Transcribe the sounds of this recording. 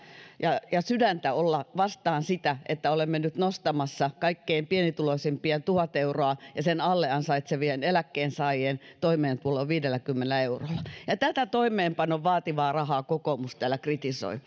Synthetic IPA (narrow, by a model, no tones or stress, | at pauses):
jɑjɑsydænt̪æolːɑʋɑst̪ɑːnsit̪æʔet̪ːæolemːenyt̪nost̪ɑmɑsːɑkɑikːeːmpienit̪uloisempiænt̪uhɑt̪euroɑjɑsenɑlːeɑnsɑit̪seʋienelækːeːnsɑːjeːnt̪oimeːnt̪uoloʋʋiːdelːækymːenelæeurolːˑɑjɑt̪æt̪æt̪oimˑeːmpɑnːoʋʋɑːt̪iʋɑːrɑhɑːkokomust̪ɑælækrit̪iso̰i